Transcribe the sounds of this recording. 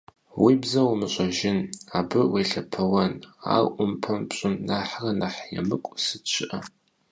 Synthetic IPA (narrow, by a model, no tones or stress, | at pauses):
wibzɐwmɨɕʷʼɐʒɪnaːbɨweɬɐpʰɐwɐna̰ːʔʷʼʊmpʰɐmpɕʼɪnːaːħrɐnaħjɛ̰mɨkʷʼsɨt͡ʃʷʰɪʔɐ